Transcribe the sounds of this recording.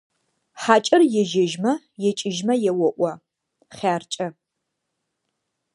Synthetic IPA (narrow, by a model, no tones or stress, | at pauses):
ħaːt͡ʃʼɪrjɛʒɪʒmɐ | jɛt͡ʃʼɪʒmɐjɛwɔʔʷɐ | χʲaːrt͡ʃʼɐ